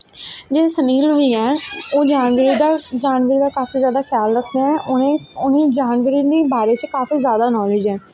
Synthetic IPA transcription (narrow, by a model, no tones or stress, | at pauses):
d͡ʒeːsəniːlɦoiːɛːoːd͡ʒaːnʋəɾiːd̪aːd͡ʒaːnʋəɾiːd̪aːkaːfiːzjaːd̪aːkʰɪjaːlɾəkʰd̪eːɛ̃ːʔʊneʊnẽːd͡ʒaːnʋəɾiːd̪iːbaːɾeːt͡ʃkaːfiːzjaːd̪aːnɔːlɪːd͡ʒɛː